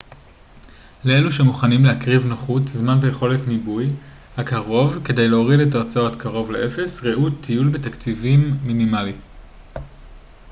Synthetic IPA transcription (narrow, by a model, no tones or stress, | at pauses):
lee̞luʃemuχanimlehakʁivnoχutzmanbejeχo̞letnibuj | hakaʁo̞vke̞de̞jleo̞ʁidetat͡saotkaʁo̞vlḛʔe̞fe̞sʁeʔutʰijulbetakt͡sivimːinimali